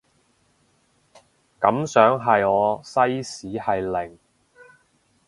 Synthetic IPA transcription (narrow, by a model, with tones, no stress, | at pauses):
kɐ˨˥msœː˨˥ŋɦɐ˨jɔː˨˧sɐ˥jsiː˨˥hɐ˨jlɪ˨˩ŋ